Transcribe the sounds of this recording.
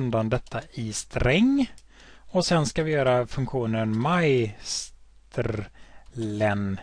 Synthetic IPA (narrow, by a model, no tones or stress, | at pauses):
nd̪and̪ɛt̪ʰːaɪst̪ɾɛŋː | ɔsɛnskavɪjœːɾafɵŋkɧuːnənmajstt̪ʰɾ | lɛn